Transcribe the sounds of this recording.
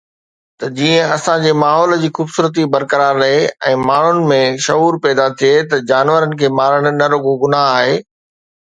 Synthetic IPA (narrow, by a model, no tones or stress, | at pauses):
t̪ɐd͡ʑiːə̃ɐsãd͡ʑeːmaːɦɔːld͡ʑiːxuːbsuːɾət̪̬ibɐɾkəɾaːɾːɐɦeɛ̃ːmaːɳ̤ʊnɪ̆mẽʃɐɦuːɾpɛːd̪at̪ʰiet̪ɐd͡ʑaːnʋəɾənɪ̆kʰeːmaːɾəɽ̃ʊ̆nɐɾoɡoɡʊnaɦaːɦeː